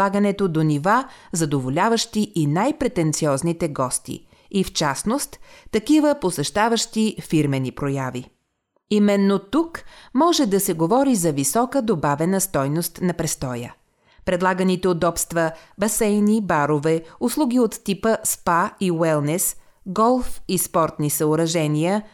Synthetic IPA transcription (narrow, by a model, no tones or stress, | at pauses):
aɡənɛt̪od̪onivazɐd̪ovolʲavəʃt̪iʔinajpɾɛt̪ɛnt̪siɔznit̪ɛɡɔst̪ḭ | ift͡ʃasnost̪ːɐkivəposɛʃt̪avəʃt̪ifiɾmɛnipɾojavi | imɛnːot̪ukmɔʒɛd̪ɐsɛɡovɔɾizɐvisɔkəd̪obavɛnəst̪ɔjnost̪nɐpɾɛst̪ɔjə̰ | pɾɛd̪lˠaɡənit̪ɛod̪ɔpst̪vəbɐsɛjnibaɾovɛʊslˠuɡiot̪ːipəspaiwɛlˠnɛs | ɡɔlˠfispɔɾt̪nisɐʊɾɐʒɛnijə